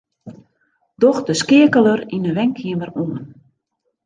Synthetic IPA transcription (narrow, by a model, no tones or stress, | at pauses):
dɔxdəskɪəkələrinəʋɛŋkʰiəməruən